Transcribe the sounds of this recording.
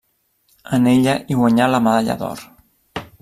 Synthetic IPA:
əneʎaʔiɣwaɲalaməðaʎa̰ðɔ̰ɾ

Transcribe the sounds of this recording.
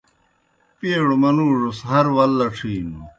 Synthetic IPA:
piːɽomɐnuːʐosɦɐɾwɐlːɐʈ͡ʂʰiːnu

